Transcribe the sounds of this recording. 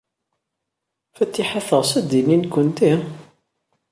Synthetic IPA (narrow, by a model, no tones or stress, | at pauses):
fæt͡s̪ːiħaθəʁsæd̪ininkʷːənt̪i